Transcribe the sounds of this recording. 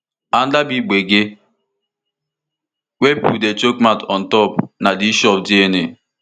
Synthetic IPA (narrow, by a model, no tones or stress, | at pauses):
an̩dabiɡ͡beɡe | wepudet͡ʃokmatɔn̩tɔpnadiʃɔp̚diene